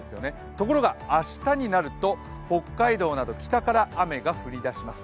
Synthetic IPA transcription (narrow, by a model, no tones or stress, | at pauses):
esɨjo̞̰ne | t̪o̞ko̞ɾo̞ɡaaɕi̥t̪aɲ̟inaɾɯ̟t̪o̞ | ho̞kːaid̪o̞ːnad̪o̞kʲi̥t̪akaɾaːme̞ɡaɸɯ̟ɾʲid̪aɕimasɨ̥